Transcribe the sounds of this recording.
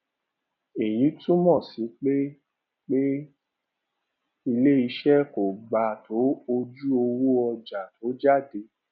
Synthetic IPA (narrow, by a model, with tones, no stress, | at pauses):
e˨j̃ĩ˨˦tũ˦mɔ̃˦˨sĩ˨˦k͡pe˦ | k͡pe˦ | i˧le˦i˧ʃɛ˦ko˨ɡ͡ba˧˨tʰo˨˦o˧d͡ʒu˦o˧wo˦ɔ˧d͡ʒa˨tʰo˨˦d͡ʒa˦˨de˧